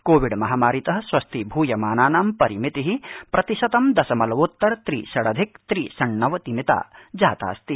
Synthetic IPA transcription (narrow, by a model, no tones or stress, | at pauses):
koːʋiɖmɐɦaːmaːɾit̪ɐɦɐ̆sʋɐst̪ʰibʱuːjɐmaːnaːnaːmpɐɾimit̪iɦipɾɐt̪iʃɐt̪ɐmd̪ɐsɐmɐlɐʋut̪ːɐɾt̪ɾḭːʃɐɽɐd̪ʱik̚t̪ɾiːsɐɳːɐʋɐt̪imit̪a̰ːd͡ʒa̰ːt̪a̰ːst̪i